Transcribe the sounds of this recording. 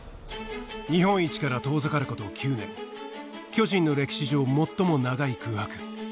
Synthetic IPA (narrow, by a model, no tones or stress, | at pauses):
ɲ̟ihõ̞ɰ̃it͡ɕi̥kaɾat̪o̞ːzɨkaɾɯ̟ko̞t̪o̞ːkʲʰɨːnẽ̞ŋ | kʲo̞ʑĩnːo̞ɾe̞kʲi̥ɕiʑo̞ːmo̞t̪ːomo̞naɡaikʰɯ̟ːhakɯ̟̥